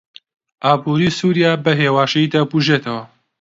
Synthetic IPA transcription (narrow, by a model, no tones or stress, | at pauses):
ʔaːbuːɾiːsuːɾijaːbɐɦeːwaːʃɐjd̪abuʒet̪ʰɐwɐ